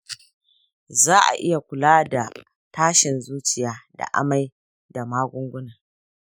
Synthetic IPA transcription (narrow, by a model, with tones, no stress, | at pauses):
zaː˦ʔa̰˨ʔɪ˦ja˨kʷʊ˨laː˦da˨ | taː˦ʃɪ˨nzuː˦t͡ʃɪ˨jaː˦da̰˨ʔa̰˦ma˦j | da˨maː˦ɡʷʊ˦ŋɡʷʊ˦naː˨